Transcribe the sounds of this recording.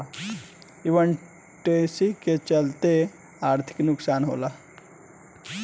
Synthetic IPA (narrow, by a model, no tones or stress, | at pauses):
iʋən | ʈeːsiket͡ʃəlt̪e | aːɾt̪ʰɪ̥knʊksaːnɦo̰ːla